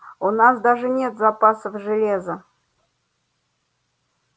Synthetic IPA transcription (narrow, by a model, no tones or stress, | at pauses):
unas̬d̪aʐɨnʲet̪zapasəfʐɨlʲezə